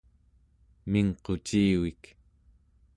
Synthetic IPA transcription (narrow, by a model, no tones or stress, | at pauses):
miŋqo̞t͡ʃiːwik